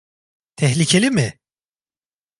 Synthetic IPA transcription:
t̪ʰɛɦlʲicʰelʲimɪ

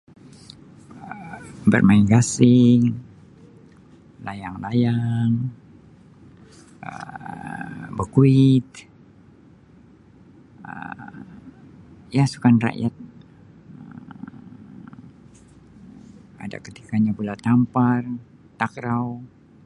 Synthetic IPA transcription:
əbə̰rmaiŋɡasɪŋ | lajaŋlajaŋ | ə̰ | bəkuɪt̪̚ | ə̰ | jasu̥kanra̰ʔjat̪̚ | ə | a̰da̰kət̪i̥kaɲapulat̪ampar | t̪akɾaw

